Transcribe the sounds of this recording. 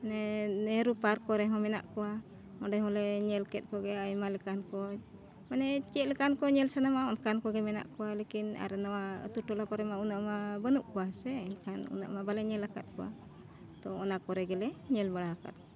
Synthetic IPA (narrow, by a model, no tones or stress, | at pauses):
nɛnɛɾupaɾkɔɾɛɦɔ̃mɛna̰ʔkɔwa | ɔɖɛɦɔ̃lɛɲɛlkɛt̪̚ˀkɔɡɛajmalɛkankɔ | manɛt͡ʃɛt̪̚lɛkankɔɲɛlsanamaɔnkankɔɡɛmɛna̰ʔkɔwalekina̰ɾɛnawa̰t̪uʈɔlakɔɾɛmaunaʔmabənuʔkɔwasɛkanṵna̰ʔmabalɛɲɛlaka̰t̪̚kɔwa̰ | t̪ɔɔnakɔɾɛɡɛlɛɲɛlbaɽaaka̰t̪̚